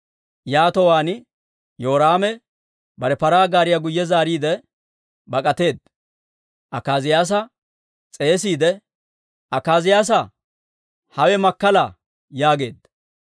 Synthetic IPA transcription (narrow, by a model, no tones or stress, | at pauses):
jaːt̪ɔwaːn | joːɾaːmɛ | bɐɾɛpɐɾaːɡaːɾɪjaɡʊjːɛzaːɾiːd̪ɛ | bɐkʼɐt̪e̞ːd̪ | ʔɐkaːzɪjaːs̬ɐ | t͡sʼe̞ːs̬iːd̪ɛ | ɐkaːzɪjaːs̬ɐ | hɐwɛmɐkːɐla | jaːɡe̞ːd̪